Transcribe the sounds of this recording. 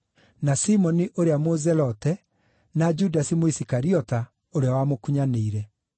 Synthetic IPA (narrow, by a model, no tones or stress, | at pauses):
nasimɔniʔoɾeamozɛlɔtɛ | nad͡ʒudasimoisikaɾiɔta | oɾeawamokuɲaneiɾɛ